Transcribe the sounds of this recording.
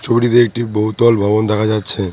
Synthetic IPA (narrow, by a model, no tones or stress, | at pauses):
t͡ɕʰobiɾit̪eek̚ʈiboɦut̪ɔlbʱɔbond̪ɛkʰad͡ʑatːɕʰe